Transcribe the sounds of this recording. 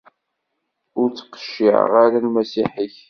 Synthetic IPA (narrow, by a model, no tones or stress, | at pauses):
ʊɾt͡sːə̥qːə̥ʃːɪ̰ʕʁaɾalmæsiħiç